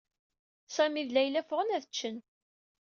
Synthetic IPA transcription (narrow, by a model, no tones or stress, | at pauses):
sæmiðlæjlæfʁənæðət͡ʃːən